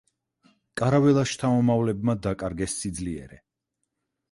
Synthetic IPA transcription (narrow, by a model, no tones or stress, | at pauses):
kʼaɾavɛlˠaʃt̪ʰamɔmavlɛbmad̪akʼaɾɡɛsːid̪zliɛ̰ɾɛ